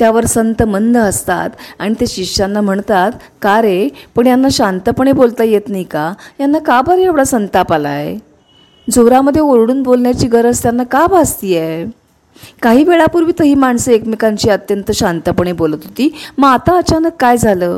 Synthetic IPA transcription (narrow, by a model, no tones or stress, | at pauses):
t̪jaʋəɾsənt̪əmənd̪əəst̪a̰t̪aɽ̃it̪eɕiʂanːam̤əɳt̪at̪ | kaɾepəɳjanːaɕant̪əpəɳ̃ebolt̪ajet̪najkajanːakabaɾjaʋɭasənt̪apala̰ḛ | d͡zoɾaməd̪ʱːjeoɾɽuːnbolɳjat͡ɕiːɡəɾəst̪janːakabast̪iːje | kaɦiːʋeɭapuːɾʋiːt̪əɦiːmaɳsəekmikaɲt͡ɕiːət̪jənt̪əɕant̪əpəɳ̃ebolət̪ɦot̪iːməat̪aət͡ɕanəkːajd͡zʱaləː